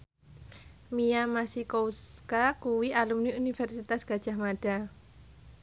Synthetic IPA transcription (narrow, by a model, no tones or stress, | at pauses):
mijamasikowskakuwiʔalumniunifɛrsit̪asɡ̥ad̥ʒ̥a̤hmaɖ̥a